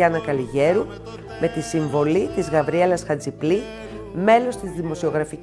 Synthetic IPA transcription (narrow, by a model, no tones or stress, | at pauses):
ɐnɐkɐliʝe̞ɾu | me̞t̪isiɱvo̞lit̪izɣɐvɾie̞lɐsxɐd͡zipli | me̞lo̞st̪izðimo̞sio̞ɣɾɐfi